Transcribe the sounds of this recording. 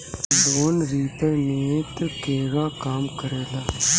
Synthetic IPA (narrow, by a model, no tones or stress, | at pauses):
boːnɾiːpɛneːt̪əkeːɡaːkaːmkəɾeːlaː